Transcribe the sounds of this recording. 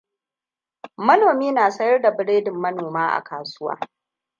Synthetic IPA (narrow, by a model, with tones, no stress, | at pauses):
mɐ˦noː˨miː˦naː˨sɐ˦jɐ˦rda˨bɪ˦ɽeː˦dɪ˨mːɐ˦noː˨maː˦ʔa̰˨kaː˨sʊ˦wa̰ː˦